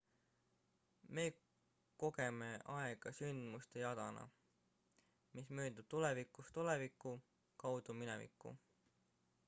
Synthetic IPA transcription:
me̞ː | ko̞ɡe̞me̞ʔɑeɡ̥ɑsynd̪̥must̪ejɑd̪̥ɑ̰nɑ̰ | mismøːd̪ub̥̚t̪ulevikːˑust̪ulevikːˑu | kɑwd̪̥uminɛ̰vḭkːˑṵ

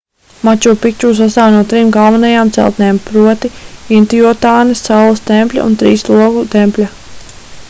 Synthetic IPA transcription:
mat͡ʃuːpik̚t͡ʃuːs̬ast̪aːwnuɔt̪ɾimɡalˠvanajaːmt̪sɛ̰lˠt̪nɛːmpɾuɔt̪iint̪ijɔɔt̪aːnissawlˠɐst̪ɛmpʲlʲa̰ʔṵnt̪ɾḭːslˠuɔɡut̪ɛmpʲlʲa

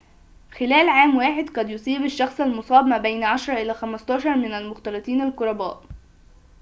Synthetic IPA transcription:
xɪlæːlʕaːmwaːħɪd̪qɑd̪jʊsˤiːbaʃːɑxsˤalmʊsˤɑːbmæːbejnʕɑʃɾˤɑʔɪlæːxæmæst̪ɑːʃɑɾˤmɪnælmʊxt̪ɑɾˤɑt̪ˤiːnalkʊɾˤɑbæ̰ːʔ

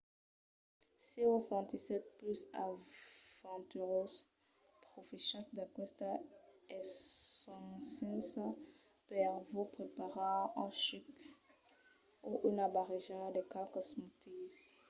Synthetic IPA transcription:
siosɑ̃t̪isɛt̪̚plysa̰ | vɑ̃t̪yʁos | pχofiʃãtd̪akwɛst̪a | ɛ | ɑ̃sɛ̃sã | pɛʁvopχepaʁaɑ̃ʃik | oʔynabaʁeʒad̪ekakɔsmot̪is

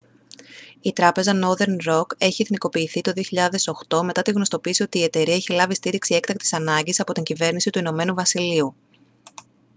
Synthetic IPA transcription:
it̪ɾɐpe̞zɐno̞ɾðe̞ɾnɾo̞ke̞çieθniko̞piːθit̪o̞ðio̞çiʎɐðe̞so̞xt̪o̞me̞t̪ɐt̪iɣno̞st̪o̞piːsio̞t̪iːe̞t̪e̞ɾiɐeçilɐvist̪iɾiksie̞kt̪ɐk̚t̪i̥sɐnɐɲɟisɐpo̞t̪iɲɟive̞ɾnisit̪uino̞me̞nuvɐsiliu

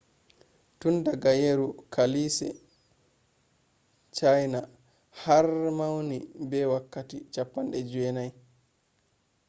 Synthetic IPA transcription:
tundaɡajeɾukʰalisɛ̰ | t͡ʃajna | harmawnibɛwakːatit͡ʃapːanɗɛd͡ʒɛnaj

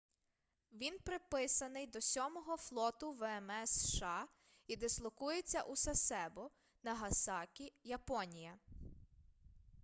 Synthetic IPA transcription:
ʋʲinpɾɪpɪsɐnɪjd̪ɔsʲɔmɔɦɔflˠɔt̪ʊʋɛɛmɛsʃɑ | id̪ɛslˠɔkujet͡sʲːɐʔusɐsɛbɔ | nɐɦɐsɑkʲijɐpɔnʲijɐ

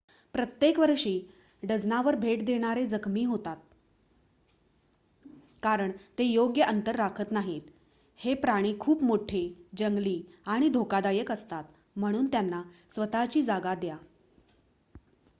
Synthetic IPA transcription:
pɾət̪jekʋəɾʂiː | ɖəd͡znaʋəɾbʱeʈd̪eɽ̃aɾed͡zəkʰmiːɦot̪at̪̚ | kaɾəɳt̪ejoɡjəʔənt̪əɾːakʰət̪naɦit̪ | hepɾaɽ̃iːkʰuːpmoʈʰed͡ʑəŋɡliːaɽ̃id̪ʱokad̪ajəkəst̪at̪ | m̤əɽ̃uːnt̪janːasʋət̪at͡ɕiːd͡zaɡad̪ja

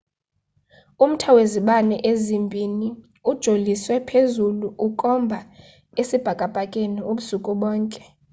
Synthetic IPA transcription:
um̩tʰaweziɓanɛʔezimbʱini | ud̥ʒ̥ʱoliswɛpʰezuluʔukʼɔmbʱa | esib̥ʱakʼab̥ʱakʼeniuɓusukʼuɓɔːŋkʼɛ̥

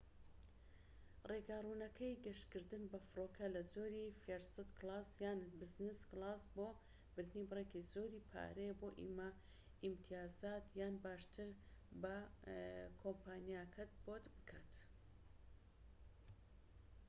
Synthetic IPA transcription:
reɡaruːnɐkʰɐjɡɐʃkɨɾd̪ɨnbɐfɨɾoːkʰɐlɐd͡zoːɾifeɾsɨt̪klˠaːsjaːnbɨznɨsklˠaːsboː | bɨɾd̪nibɨrekizoːɾiːpʰa̰ːɾeboːʔḭma | imt̪ʰijaːzaːt̪jaːnbaːʃt̪ʰɨɾbɐ | kʰompaːnjakʰɐt̪̚boːt̪bɨkʰaːt̪

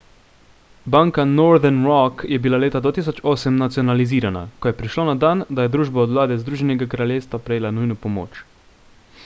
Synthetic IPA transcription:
baːŋkanɔɾd̪ɛɾnɾɔkjɛbilaleːt̪ad̪vaːt̪iːsɔt͡ʃoːsɛmnat̪sijɔnaliziːɾana̰kɔjɛpɾiʃloːnad̪and̪ajɛd̪ɾuːʒbaɔd̪wlaːd̪ɛzd̪ɾuːʒɛnɛɡakɾaljeːwst̪ʋapɾɛjeːlanujnɔpɔmo̰ːt͡ʃ

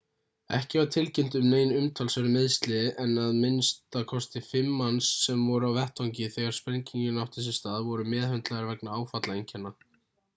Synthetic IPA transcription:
ɛ̰hcɪat̪ʰɪlcɪm̥t̪ʏmneːjnʏmt̪ʰalsvɛɾʏmɪðst̪lɪʔɛnaðmɪnst̪akʰɔst̪ɪfɪmːansːɛmvɔɾʏawvɛht̪ʰːawɲc̬ɪθɛɣaɾ̥spɛɲciɲʏnawht̪ɛs̬ɪst̪aːðvɔɾʏmɛːðhœnt̪laɣaɾvɛknaaːwfat̪laejɲcʰɛnːa

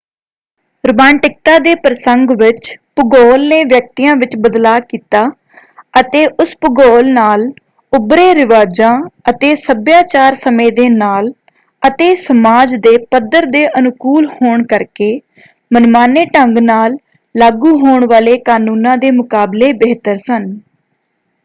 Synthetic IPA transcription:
ɾʊbãːɳʈɪk̚t̪aːd̪eːpɾəsəŋɡʋɪt͡ʃpʊɡɔːlneːʋjək̚t̪iːãːʋɪt͡ʃbəd̪laːkiːt̪aː | ət̪eːʔʊspʊɡɔːlnaːl | ʊbɾeːɾɪʋaːd͡ʒãːət̪eːsəbjaːt͡ʃaːɾsəmẽːd̪eːnaːl | ət̪eːsəmaːd͡ʒd̪eːpəd̪əɾd̪eːʔənʊkuːlhoːɳkəɾkeː | mənmaːneːʈəŋɡnaːlː | aːɡuːɦoːɳʋaːleːkaːnuːnãːd̪eːmʊkaːbleːbeːt̪əɾsən

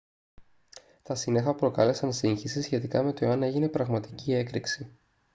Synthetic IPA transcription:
t̪ɐsine̞xɐpɾo̞kɐle̞sɐnsiɲçisisçe̞t̪ikɐme̞t̪o̞eɐne̞ʝine̞pɾɐɣmɐt̪i̥cie̞kɾiksi

